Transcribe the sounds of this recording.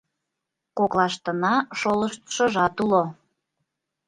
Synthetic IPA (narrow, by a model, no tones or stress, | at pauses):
koklɑʃt̪ənɑʃoləʃt̪ʃə̆ʒɑt̪ulo